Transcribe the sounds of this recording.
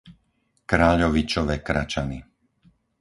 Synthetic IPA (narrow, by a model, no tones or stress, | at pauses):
kɾaːʎɔʋit͡ʃɔʋɛːkɾa̰t͡ʃani